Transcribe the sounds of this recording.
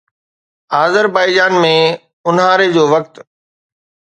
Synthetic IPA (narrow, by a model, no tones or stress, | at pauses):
aːzəɾbaːɪd͡ʑaːnmẽ | ʊnɦaːɾed͡ʑoːʋɐk̚t̪